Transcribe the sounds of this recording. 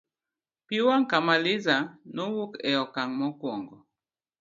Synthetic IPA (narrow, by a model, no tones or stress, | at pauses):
piwaŋ̩kamalizanuwukɛ̰jɔkaŋmɔkwɔ̰ŋɡɔ